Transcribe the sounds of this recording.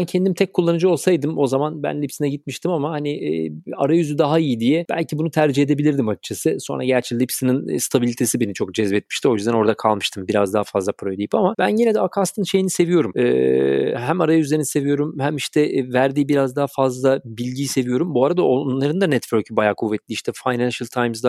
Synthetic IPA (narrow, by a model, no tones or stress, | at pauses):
æncʰɛnd̪imt̪ʰɛc̚kʰːulˠːanɯd͡ʒɯo̞lˠsajd̪ɯmo̞zamanbæ̰nlʲipsinɛɟit̪miʃt̪ʰimamahanɪʔa̰ɾajyzyd̪aɦaijid̪ijɛb̥æ̰lʲcʰibunut̪ʰæɾd͡ʒihe̞d̪ebilʲiɾd̪imat͡ʃt͡ʃʰːasɯso̞nɾaɟæɾt͡ʃʰilʲipsininst̪ʰabilʲit̪ʰe̞sibe̞nit͡ʃʰo̞kd͡ʒɛzbɛt̪miʃt̪ʰio̞jyzd̪æno̞ɾd̪akʰalˠmɯʃt̪ʰɯmbiɾazd̪aɦafazlˠapʰɾojd̪ʲiji̥pamab̥ænɟinɛd̪ɛakʰast̪ʰɯnʃe̞jinise̞vijo̞ɾumɛːɦæmaɾajayze̞ɾinise̞vijo̞ɾumhæmiʃt̪ʰɛʔvæɾd̪iːbiɾazd̪aɦfazlˠabilʲɟiːse̞vijo̞ɾumbuaɾad̪aonlˠaɾɯnd̪anɛt̪vøɾcbajaːkʰuvːɛt̪lʲiiʃt̪ʰɛfajnænʃalʲˠt̪ʰajmzd̪a